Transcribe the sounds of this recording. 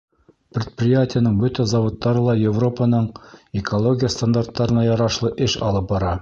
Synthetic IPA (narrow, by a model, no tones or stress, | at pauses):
pɾʲɪt̪̚prʲɪjatʲɪjənɤɴbɵt̪æzɑwot̪ːɑɾɤlˠɑjɪvro̞pənɤɴɪkʰolˠo̞ɡʲɪjəst̪and̪art̪ːɑɾɤ̆nɑjɑɾɑʃlˠɤʔɘʃɑ̰lˠɤp̚bɑɾɑ